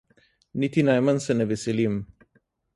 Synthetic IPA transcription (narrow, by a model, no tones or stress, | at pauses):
nit̪inajmənsəneveselim